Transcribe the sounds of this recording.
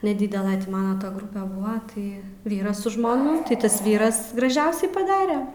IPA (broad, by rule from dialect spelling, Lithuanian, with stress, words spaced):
nʲɛˈdʲiːdʲɛlˠɐ ˈtʲiː ˈmɑːnɐ tɐ ˈɡrʊpʲɛ ˈbʊʋɐ ˈtɐɪ ˈʋʲiːrɐs sʊ ʒmoːˈnʊ tɐɪ ˈtɐs ˈʋʲiːrɐs ɡrɐˈʒʲɛʊsʲɛɪ pɐˈdɑːrʲɛ